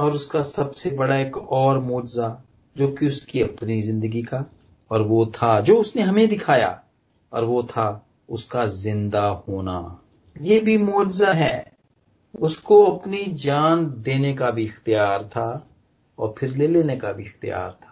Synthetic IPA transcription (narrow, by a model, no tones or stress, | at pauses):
ɔːɾʊskasɐbsebɐɽaeːkɔːɾmoːd͡ʒza | d͡ʒoːkiʊskiɐpnizɪ̃nd̪əɡika | ɔːɾʋot̪ʰad͡ʒoːʊsneɦɐmẽd̪ɪkʰaːja̰ | ɔ̰ːɾʋot̪ʰa | ʊskazɪ̃nd̪ahoːna̰ | jeːbʱimoːd͡ʒzaɦɛː | ʊskoɐpnid͡ʒaːnd̪eːnekabʱiɪxt̪ijaːɾt̪ʰa | ɔ̰ːɾpʰɪɾleːleːnekabʱiɪxt̪ija̰ːɾt̪ʰḁː